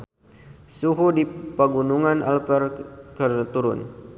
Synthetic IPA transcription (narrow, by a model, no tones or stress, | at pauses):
suɦudipaɡunuŋana̰lpɛrkərt̪uɾʊn